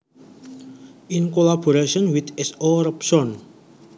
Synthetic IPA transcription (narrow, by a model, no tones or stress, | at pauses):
ʔinkolaboɾaʃɔnwit̪ɛsoɾəpsɔn